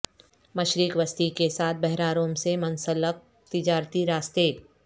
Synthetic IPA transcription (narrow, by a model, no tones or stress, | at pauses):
mɐʃɾikʋəst̪ikesaːt̪̚ʰbɛɦɾaːɾõːmsemɐ̃nsələk̚ | t̪ɪd͡ʒaːɾt̪iɾaːst̪eː